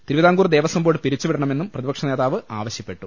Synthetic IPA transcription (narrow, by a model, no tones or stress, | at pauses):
t̪ɾiʋiðaːŋɡuːrd̪e̞ːʋɐsɐmbo̞ːɽɨpiɾit͡ɕːuʋiɽɐɳɐme̞nːumprɐðibɐkʂɐne̞ːðaːʋɨʔaːʋɐɕjɐpːe̞ʈːu